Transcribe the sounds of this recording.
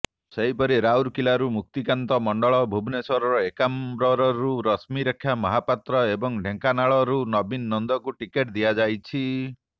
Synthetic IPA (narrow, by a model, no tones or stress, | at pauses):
seɦipɔɾiɾawɾkilaɾumuk̚t̪ikant̪ɔmɔɳɖɔɭɔbʱubʱnesɔɾɔɾɔekambɾɔɾɔɾuɾɔsmiɾekʰːjamɔɦapat̪ɾɔebɔŋɖʱeŋkanaɭɔɾunɔbinːɔnd̪ɔkuʈikeʈd̪iad͡ʒajt͡ʃʰi